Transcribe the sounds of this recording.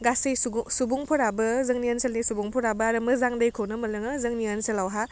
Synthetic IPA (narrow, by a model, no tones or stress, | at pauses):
ɡasɐjsubuŋpʰɔɾabɐzɐŋniɐnsɐlnisubuŋpʰɔɾabɐaɾɐmɯzaŋdɐjkʰownɐmɐlɯŋɯzɐŋniɐnsɐlawɦa